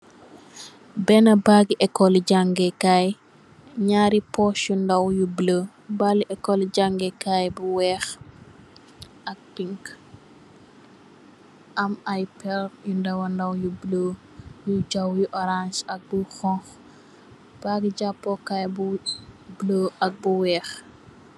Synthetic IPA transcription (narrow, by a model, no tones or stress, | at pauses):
bɛnɐbaɡiʔɛkːɔliɟaŋɡɛkaj | ɲaːɾipɔsjundɐwjublə | baliʔɛkːɔlɟaŋɡɛkajbuwɛːx | ɐk̚piŋk | ʔɐmajpɛljundɐwɐndɐwjublə | jud͡ʒɐwjuʔɔɾansɐk̚buxɔ̃ŋx | b̥aɡiɟapːɔkajbubloʔɐk̚buwɛːx